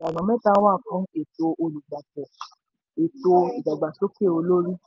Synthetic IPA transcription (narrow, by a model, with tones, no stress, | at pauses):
a˨nɔ̃˨˦mɛ̃˦ta˦wa˦˨fũ˦ke˨to˧ʔo˧lu˨ɡ͡ba˨kɛ˨ | e˨to˧i˨d͡ʒa˨ɡ͡ba˨ʃo˦ke˦˨o˧lo˦ɾi˦